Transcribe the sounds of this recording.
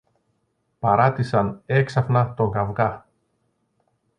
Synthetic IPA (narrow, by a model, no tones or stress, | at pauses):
pɐɾɐt̪isɐne̞ksɐfnɐt̪o̞ŋɡɐvɣɐ